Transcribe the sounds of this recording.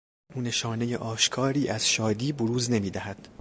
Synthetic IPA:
uːne̞ʃɒːne̞jeʔɒːʃkʰɒːɾiːʔæz̥ʃɒːd̪iːboɾuːzne̞miːd̪æhæd̪̥

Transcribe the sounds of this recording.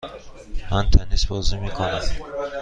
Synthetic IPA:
mænt̪ʰænisbɒːzimiːkʰonæm

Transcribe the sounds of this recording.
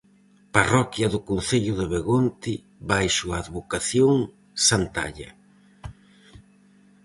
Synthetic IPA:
parɔkjɐðʊkon̟θeʎʊðɪβeɣont̪ɪ | βajʃʊaːðβokaθjoŋ | sant̪a̰ʎɐ̰

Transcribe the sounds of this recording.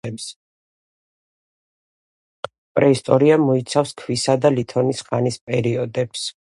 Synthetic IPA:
ɛps | pʼɾɛist̪ʼɔɾiamɔit̪sʰafskʰwisad̪alit̪ʰɔnisχanispʼɛɾiɔd̪ɛps

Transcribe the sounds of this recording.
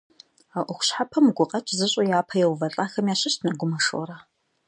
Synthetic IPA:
aʔʷʊxʷʊ̥ɕħapʰɐmɡʷʊqʼɐt͡ʃʼzɨɕʼojaːpʰɐjɛwvɐɬʼaːxɐmjaːɕɪɕtʰnɐɡʷʊmɐʂo̰ɾaː

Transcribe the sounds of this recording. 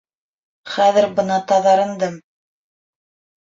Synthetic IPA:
χæðɘ̆ɾbɤ̆nɑt̪ɑðɑɾɤ̆nd̪ɤm

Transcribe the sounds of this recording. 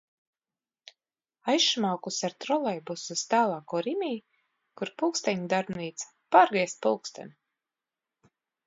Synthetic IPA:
ajʃmawkusaɾt̪ɾɔlˠɛjbusust̪aːlˠaːkuːɾimiː | kuɾpulˠkst̪ɛɲid̪aɾbniːt̪sḁpaːɾɡiɛst̪pulˠkst̪a̰nʲi

